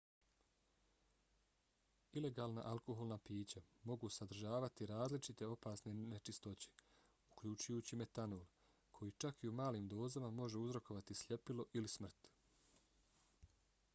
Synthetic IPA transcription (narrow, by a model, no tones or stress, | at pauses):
ile̞ɡaːlna̰ʔalko̞ɦolˠnapiːt͡ɕamo̞ɡusad̪r̩ʒaːʋat̪iɾaːzlit͡ʃit̪e̞o̞paːsne̞net͡ʃist̪o̞t͡ɕe̥ | ukʎut͡ʃujuːt͡ɕime̞t̪anoːl | kʰo̞jit͡ʃakiumaːliːmd̪o̞ːzamamo̞ʒe̞uzɾo̞ko̞ʋat̪islʎʲe̞pilo̞ʔilismr̩t̪